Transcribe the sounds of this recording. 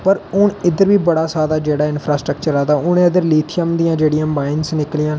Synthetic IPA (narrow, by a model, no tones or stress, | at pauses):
pəɾʊɳɪd̪əɾʋiːbəɽaːsaːd̪aːd͡ʒeːɽaːɪnpʰɾaːsʈɾəkt͡ʃəɾaːd̪aːʊnẽːəd̪əɾliːt̪ʰɪjəmd̪ijãːd͡ʒeːɽijãːbaːɪnsnɪklɪjãː